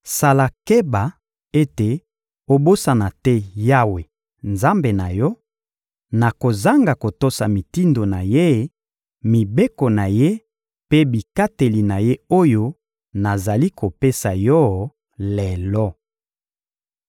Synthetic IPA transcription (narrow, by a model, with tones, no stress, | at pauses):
sa˨la˨ke˦ba˨ | e˦te˨ | o˦bo˦sa˨na˨tɛ˦ja˦we˨ | nza˦mbe˨na˨jɔ˦ | na˨ko˨za˦ŋɡa˨ko˨to˦sa˨mi˨ti˦ndo˨na˨je˦ | mi˨be˦ko˨na˨je˦ | pe˦bi˨ka˦te˨li˨na˨je˦o˦jo˦ | na˨za˨li˦kʰo˨pe˦sa˨jɔ˦ | lɛ˨lɔ˦